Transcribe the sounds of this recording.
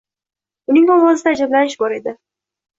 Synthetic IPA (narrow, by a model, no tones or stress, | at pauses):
ʊnɪŋbɒlˠwɒzɪd̪aːd͡ʒablanɪʃbɒɾe̞d̪ɪ